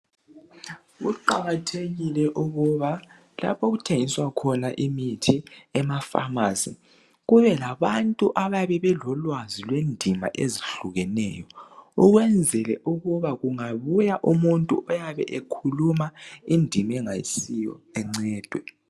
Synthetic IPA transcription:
ɣuǃaɣatʰeɣilɛʔuɣuβa | la̰pʰoɣutʰeŋiswakʰɔnaʔimitʰiɛmafa̰masḭ | ɣuβɛlaβantʼuʔaβajaβɛβɛlɔlwazilwendʱima̰ʔeziɬuɣɛnɛ̰jɔuɣwɛnd͡zʱɛlɛ̰ʔuɣuβaɣuŋaβujaʔumuntʼṵʔɔjaβɛ̰ʔekʰulumaindʱimɛŋajḭsijɔ̰ɛŋ͡ǀɛːd̥ʱwɛ

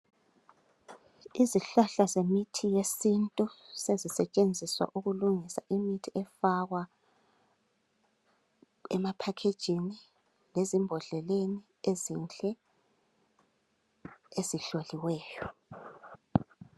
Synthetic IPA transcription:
iziɬaɬazemitʰijesintʼusezisɛt͡ʃʼend͡zʱiswa̰ʔuɣuluŋisa̰ʔimitʰiʔɛfaɣwa | ɛmapʰakʰed̥ʒ̥ʱini | lezimbʱɔɮɛleni | ezint͡ɬʼɛ | eziɬoliwɛːjɔ

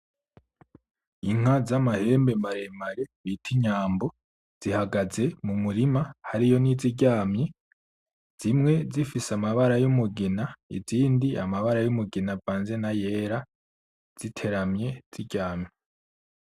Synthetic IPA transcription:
iŋ̥hazamahe̞ːmbe̞mbaɾemaɾe̞βitʰiɲaːmbo̞ | z̥ihaɡaze̞mumuɾimahaɾijo̞niziɟaːmɲi | z̥imŋe̞zifisamaβaɾajumuɡinaḭziːndiamaβaɾajumuɡinavaːnze̞naje̞ːɾa | z̥itʰe̞ɾamɲe̞z̥iɟaːmɲe

